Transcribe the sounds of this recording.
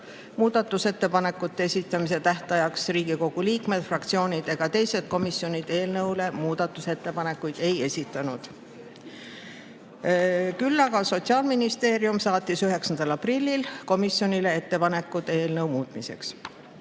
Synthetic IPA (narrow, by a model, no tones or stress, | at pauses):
muːd̪̥ɑt̪ːˑuse̞t̪ːe̞pɑne̞kːˑut̪ːeesʲit̪ˑːɑmis̬e̞t̪æht̪ɑjɑksriːɡiko̞ɡ̥uliːkme̞d̪̥frɑkt̪sio̞ːnʲid̪e̞ɡ̥ɑt̪e̞jse̞d̪̥̚ko̞misjo̞nʲid̪̥e̞ːlnɤwle̞muːd̪̥ɑt̪ːˑuse̞t̪ːe̞pɑne̞kːujd̪̥e̞je̞sit̪ːˑɑnud̪̥ | kylːɑɡ̥ɑso̞t̪siɑːlminist̪e̞ːɾiumsɑːt̪ːisyɦe̞ksɑnd̪̥ɑlɑprilʲːilko̞misjo̞nʲile̞e̞t̪ːe̞pɑne̞kːud̪eːlnɤwmuːt̪mise̞̰ks